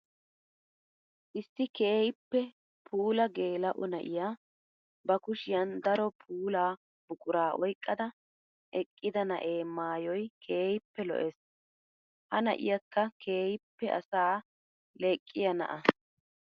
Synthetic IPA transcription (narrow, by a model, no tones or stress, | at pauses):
ʔɪsːɪkeːjɪpːɛ | pʰuːlɐɡe̞ːlɐʔʊnɐʔɪjaː | bɐkʊʃɪjɐnd̪ɐɾɔpʰuːlaː | b̥ʊkʼʊɾaːʔɔjkʼːɐd̪ɐ | ʔɛkʼːɪd̪ɐnɐʔeːmaːjɔjkʰeːjɪpːɛlɔ̰ʔes | hɐnɐ̰ʔɪ̰jɐkːɐkʰeːjɪpːɛʔɐ̰saː | leːkʼːɪjɐnɐ̰ʔɐ